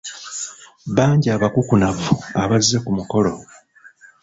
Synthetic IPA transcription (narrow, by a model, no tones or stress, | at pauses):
βaːɲɟaːβakukunavuaβazːe̞kumuko̞lo̞